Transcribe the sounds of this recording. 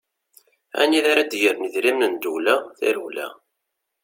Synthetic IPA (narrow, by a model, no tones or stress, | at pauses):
æ̰niðaɾad̪jəɾnəðɾimnənd̪ulæθæ̰ɾulæ̰